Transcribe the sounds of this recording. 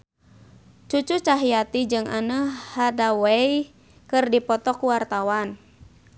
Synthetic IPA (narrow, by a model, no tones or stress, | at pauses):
t͡ʃut͡ʃut͡ʃaɦiat̪id͡ʒɨŋa̰nəhadawej | kɨrdipɔt̪ɔkuwart̪awan